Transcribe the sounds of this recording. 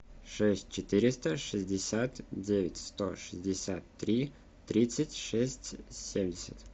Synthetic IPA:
ʂɛsʲt̚ʲt͡ɕɪt̪ɨɾʲɪst̪əʂɨzʲdʲɪsʲat̪dʲevʲɪtʲst̪o̰ʂɨzʲdʲɪsʲat̪ːɾʲi | t̪ɾʲit̪sɨtʲʂɛsʲtʲsʲemʲdʲɪsʲə̰t̪

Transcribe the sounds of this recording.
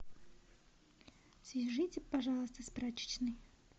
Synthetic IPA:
sʲɪʐɨtʲɪpɐʐɑlˠəst̪əspɾat͡ɕɪ̥t͡ɕnɨj

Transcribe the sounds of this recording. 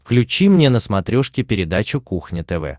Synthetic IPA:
fklʲʉt͡ɕimnʲe̞nəsmɐt̪ɾʲoʂkʲɪpʲɪɾʲɪd̪at͡ɕʊkuxnʲɪt̪ɛvɛ̰

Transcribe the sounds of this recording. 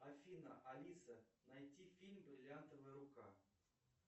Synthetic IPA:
ɐfʲinəʔɐlʲisənɐjtʲifʲilʲmbɾʲɪlʲant̪əvɨjəɾʊka

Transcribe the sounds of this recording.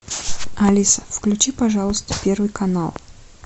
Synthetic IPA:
ɐlʲisə̥fklʲʉt͡ɕipɐʐalˠəst̪ə̥pʲervɨjkɐnalˠ

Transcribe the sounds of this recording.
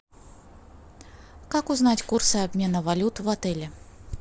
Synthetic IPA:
kakuznat͡sʲkursɨabʲmʲɛnɐvalʲut̪vat̪ɛlʲɛ

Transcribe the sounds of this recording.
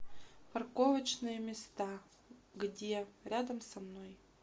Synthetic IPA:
pɐrkovət͡ɕnɨjəmʲɪst̪a | ɡdʲeɾʲad̪əmsɐmnoj

